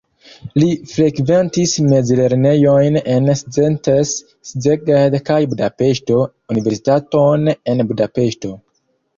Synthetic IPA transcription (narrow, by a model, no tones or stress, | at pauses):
lifɾe̞kve̞ntisme̞d͡zle̞ɾne̞jo̞jne̞nszentesː | zeɡedkajbudape̞ʃto̞ | unive̞ɾsi̥tato̞ne̞nbudape̞ʃto̞